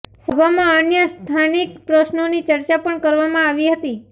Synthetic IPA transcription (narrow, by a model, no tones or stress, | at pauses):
səbʱamãənjəst̪ʰanikpɾəʃnonit͡ʃəɾt͡ʃapəɳkəɾʋamãaʋiɦət̪i